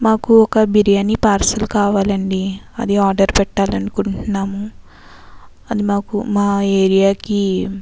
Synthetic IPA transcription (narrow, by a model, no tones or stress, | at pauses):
maːkuɔkɐbiɾijɐnːipaːɾsɐlukaːʋaːlɐɳɖiɐ̰d̪iaːɾɖɐɾpɛʈːaːlɐnukuɳʈunːaːmu | ɐd̪imaːkumaːeːɾijaːki